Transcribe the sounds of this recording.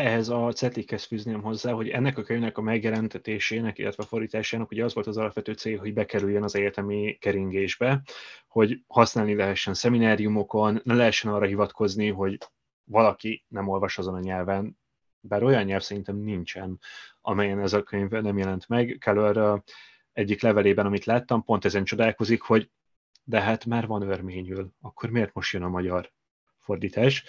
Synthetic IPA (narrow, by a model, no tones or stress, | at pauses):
ɛɦɛzɒt̪sɛt̪likːɛst̪fyːzneːmɦo̞zːaːɦo̞ɟɛnːɛkɒkøɲvnɛkɒmɛɡjɛlɛnt̪ɛt̪eːʃeːnɛkḭlːɛ̰t̪vɛfo̞rd̪iːt̪aːʃaːnɒkhoɟɛɒzvo̞lt̪ɒzɒlɒpvɛt̪øːt̪seːlɦo̞ɟbɛkɛɾyjːønɒzɛjt̪ɛmikɛɾiŋɡeːʒbɛho̞ɟhɒsnaːlnilɛɦɛʃːɛnsɛminaːɾijumo̞ko̞nːɛmlɛɦɛʃːɛnɒːrɒɦivɒt̪kʰo̞zniɦo̞ɟ | vɒlɒkinɛmo̞lvɒʃɒzo̞nɒɲɛlvɛn | baːɾo̞jɒɲːɛlfsɛɾint̪ɛmnint͡ʃɛnɒmɛjɛnɛzɒkøɲvnɛmjɛlɛnt̪mɛɡkʰɛløɾ | ɛɟːiklɛvɛleːbɛnɒmit̪laːt̪ːɒmpo̞nt̪ɛzɛnt͡ʃo̞d̪aːlko̞zikho̞ɟ | d̪ɛɦat̪maːrvɒnørmeːɲylɒkːo̞rmeːrt̪mo̞ʃt̪jønɒmɒɟɒr | fo̞rd̪iːt̪aːʃ